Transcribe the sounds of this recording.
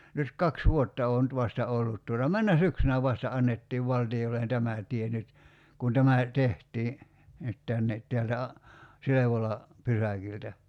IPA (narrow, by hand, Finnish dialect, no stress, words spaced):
nyt kɑks ʋuotːɑ oː nyt ʋɑstɑ olːut tuotɑ mænːæ syksynæ ʋɑstɑ ɑnːetːiːʋ ʋɑltiolːen tæmæ tˑie nyt kun tæmæ tehtˑiː nyt tænːe teæltæ ɑ sileʋolɑ pysækiltæ